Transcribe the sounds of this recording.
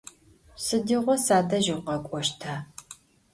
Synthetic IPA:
sɨdiʁʷɔsaːdɐʒɪwqɐkʷʼɔʃtʰaː

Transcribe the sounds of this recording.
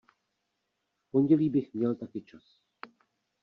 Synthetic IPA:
fponɟɛliːbɪxmɲɛlt̪akɪt͡ʃas

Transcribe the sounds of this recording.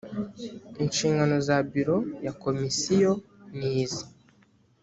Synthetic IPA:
inʃiːŋɡano̞zabiɾo̞jako̞misijo̞niːza

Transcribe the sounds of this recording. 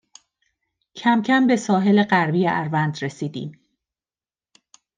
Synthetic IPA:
cʰæmcʰæmbe̞sɒːɦe̞le̞ɢæɾbijeʔæɾvænd̪ɾe̞siːd̪ḭːm

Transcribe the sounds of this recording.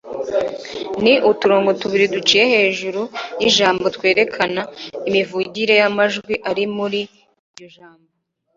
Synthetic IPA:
niʔutuɾo̞ːŋɡo̞tuβiɾidut͡ʃije̞he̞ːʒuɾujiʒaːmbo̞tkwe̞ːɾe̞kʰanaimivuɟiɾe̞jamaʒɡwiʔaɾimuɾi | vɟo̞ʒaːmboo

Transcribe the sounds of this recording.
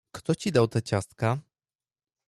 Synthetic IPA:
kt̪ɔt͡ɕid̪awt̪ɛt͡ɕast̪̚ka

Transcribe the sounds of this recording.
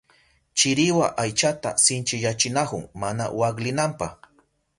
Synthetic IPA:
t͡ʃɪɾɪwaʔajt͡ʃat̪a̰sɪnt͡ʃɪʎat͡ʃɪnahʊŋmana̰waɡlɪnampa̰χ

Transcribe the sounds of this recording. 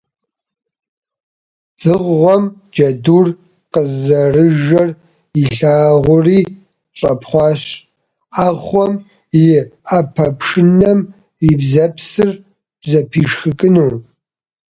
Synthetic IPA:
z̥ɨʁːʷɔmd͡ʒɐduːr | qəzɐrɨʒɐr | iɬaːʁʷʊriː | ɕʼɐpʰχʷɑːɕ | aːʁχʷɔm | jɪapʰɐpʰʂɨnɐm | ibzɐpʰsɨr | b̥zɐpʰiːʂxɨkʼɨnuː

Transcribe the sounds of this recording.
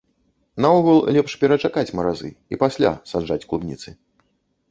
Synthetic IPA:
nauɣulˠlʲɛpʂpʲɛɾɐt͡ʂakat͡sʲmɐɾazɨ̰ipasʲlʲa̰sad͡ʐat͡sʲklˠubnʲit̪sɨ

